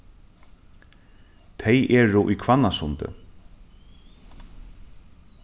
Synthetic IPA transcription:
t̪ʰɛjʔɛːɹʊʔikʰvanːasʊnt̪ɪ̰

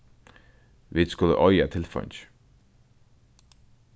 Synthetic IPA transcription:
ʋid̪̥skʊlə̰ʔɔʏat̪ʰɪlfɑ̰ɲt͡ʃ

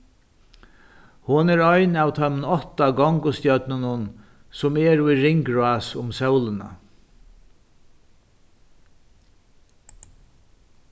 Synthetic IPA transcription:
hʊnɛɾɔjnawt̪ʰœmnɔht̪aɡɔŋkʊst̪jœt̪nɪnʊn | sʊmɛɾʊjɾɪŋkɹʊaːsʊmsœwlɪna̰

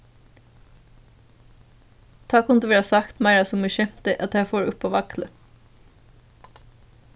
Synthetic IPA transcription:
t̪ʰɑːkʰʊmnd̪ʉːʋeːɾɑːsɑkt̪mɑɪɹɑsɔmʉʃɛmt̪əʔɑt̪hæfoːɾʊpoːʋɑklə

